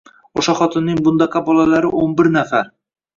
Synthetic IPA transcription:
oʃaχɒt̪ʰɪnːɪŋbʊnd̪aqʰɑbɒlalaɾɪʔonbɪɾnafaɾ

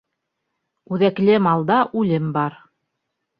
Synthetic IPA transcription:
ʉðæklɘmɑlˠd̪ɑʔʉlɘmbɑɾ

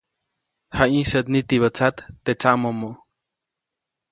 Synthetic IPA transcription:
haĩsəʔt̪̚nit̪iβət͡sat̪ːet͡saʔmomoʔ

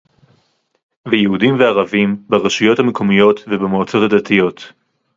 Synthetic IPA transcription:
vejehudimveaʁavimbeʁeʃujo̞thamekʰo̞mijo̞t̪vebemoːt͡so̞thadatijo̞t̪

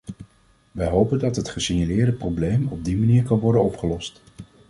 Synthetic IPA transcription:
ʋɛjɦowpəndɑtɦətχəsiɲalɪːɹdəprowblejmɔb̚dimaniːɹkɑnʋɔɹdənɔpχəlɔst

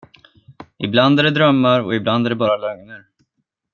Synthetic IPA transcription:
ʔɪbland̪æɖɛd̪ɾœmːaɾɔ̰ɪbland̪æɖɛbɑːɾalœŋnəɾ

